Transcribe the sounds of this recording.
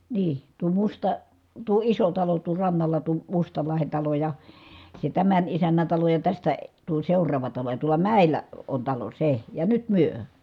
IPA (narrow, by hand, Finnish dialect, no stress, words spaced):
niː tuo mustɑ tuo iso tɑlo tuo rɑnːɑlɑ tuo mustɑlɑhen tɑlo jɑ se tæmæn isænːæn̞ tɑlo jɑ tæstæ tuo seurˑɑːʋɑ tɑlo jɑ tuolɑ mæˑilˑæ on tɑlo se jɑ nyt myø